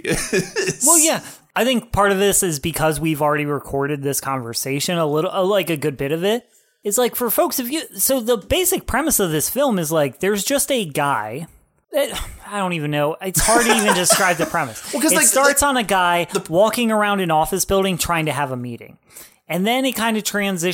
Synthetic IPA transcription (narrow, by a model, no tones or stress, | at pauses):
wɛlˠjæ | aɪθɪ̃ŋk̚pʰɑɹɾʌvðɪsɨzbɨkʰʌzwivl̩ˠɹɛɾiɹɨkʰɔɹɾɨd̪̚ðɪskʰɑ̃ɱvə˞seɪʃɨ̃nəlɪɾl̩ˠəlaɪkɨɡʊd̚bɪɾʌvɪt̚ | ɨtslaɪkfə˞foʊksɨfjɨsoʊðəbeɪsɨk̚pʰɹ̥ɛmɨsʌvðɪsfɪlˠmɨzlaɪk̚ðə˞zd͡ʒʌstɨɡaɪ | ɨaɪɾõʊ̃ntivɨ̃nːoʊɨtshɑɹd̚ɨivɨ̃ndɨskɹaɪb̚ðɨpʰɹ̥ɛmɨskʌɨtsstɑɹtsn̩ɨɡaɪwɔkɪ̃ŋə˞ãʊ̃ndɨ̃nɔfɨsb̥ɪlˠɾɪ̃ŋtʰɹ̥aɪɪ̃ŋtʰɨəvəmiɾɪ̰̃ŋ | ɨ̃nðɨ̃nɨkʰãɪ̃ndʌv̥tʰɹ̥æ̃nzɪ